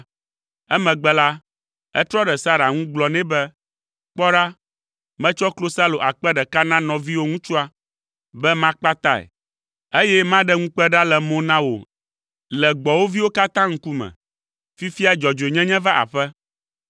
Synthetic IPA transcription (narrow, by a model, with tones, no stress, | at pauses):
ɛ˦mɛ̃˨ɡ͡bɛ˦la˦ | ɛ̰˦t̪ɾɔ˦ɖɛ˨sa˦ɾa˨ŋũ˦ɡ͡blɔ˨nɛ̃˦bɛ˦ | k͡pɔ˦ɖa˦ | mɛ̃˦t͡ʃɔ˦klo˦sa˦lo˨ʔa˨k͡pɛ˦ɖɛ˨ka˦nã˦nɔ̃˨vi˦wo˦ŋũ˦t͡ʃu˦a˦ | bɛ˦mã˦k͡pa˦t̪a˦ɛ̰˨ | e˦jɛ˦mã˦ɖɛ˦ŋũ˦k͡pɛ˦ɖa˦lɛ˨mõ˨nã˦wo̰˨ | lɛ˨ɡ͡bɔ˨wo˦vi˦wo˦ka˦t̪ã˦ŋ̩˦ku˦mɛ̰̃˨ | fi˦fi˦a˦d͡ʒɔ˨d͡ʒo˨ɲɛ̃˦ɲɛ̃˦va˦ʔa̰˨ɸɛ˦